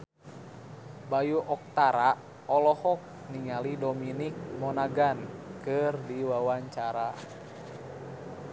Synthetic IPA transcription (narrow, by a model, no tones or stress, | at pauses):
bajuʔɔk̚t̪aɾa | ɔlɔhɔk̚ | niŋalidominik̚mɔnaɡankɨrdiwawaɲt͡ʃaɾa